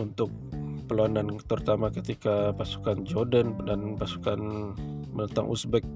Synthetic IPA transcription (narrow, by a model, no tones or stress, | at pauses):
unt̪ʊk̚pəlwanant̪ərut̪amakət̪ikapasu̥kand͡ʒodəndanpasu̥kan | mənənt̪a̰ŋʔṵsbɛk̚